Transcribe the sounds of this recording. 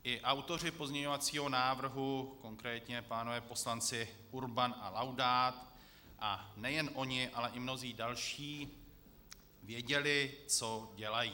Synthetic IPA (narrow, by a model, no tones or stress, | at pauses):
ʔɪʔawt̪o̞r̝ɪpo̞zɲɛɲo̞vat͡siːɦo̞naːvr̩ɦuko̞ŋkɾɛːt̪ɲɛpaːnovɛːpo̞slant͡sɪ | uɾbanʔalawdaːt̪ | ʔanɛjɛnʔo̞ɲɪʔalɛʔɪmno̞ziːdalʃiː | vjɛɟɛlɪt͡so̞ɟɛlajiː